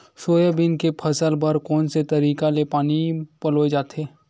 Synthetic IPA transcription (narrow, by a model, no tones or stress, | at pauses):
ʃoːjəbɪnkepʰɐsəlbəɾkɔːnset̪ɐɾiːkalepaːnipɐloːed͡ʒaːt̪eː